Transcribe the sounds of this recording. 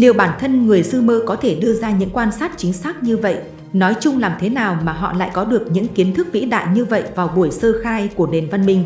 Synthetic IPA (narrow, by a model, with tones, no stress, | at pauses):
li˨˩əwɓaː˧˩nt̪ʰə˧nŋɨ˨˩əjsɨ˧məː˧kɔ˨˦t̪ʰe˧˩ɗɨ˧əzaː˧ɲɨ̰˧˥ŋkwaː˧nsaː˦˥t̚t͡ɕï˨˦ŋ̟saː˦˥k̚ɲɨ˧və̰˧˨j | nɔ˨˦jt͡ɕʊ˧ŋ͡mlaː˨˩mt̪ʰe˨˦naː˨˩wmaː˨˩ɦɔ̰˧˨la̰ː˧˨jkɔ˨˦ɗɨ˨˩ək̚ɲɨ̰˧˥ŋki˨˦ənt̪ʰɨ˦˥k̚vḭ˧˥ɗa̰ː˧˨jɲɨ˧və̰˧˨jvaː˨˩wɓu˧˩əjsəː˧xaː˧jku˧˩əne˨˩nva˧nmï˨˩ŋ̟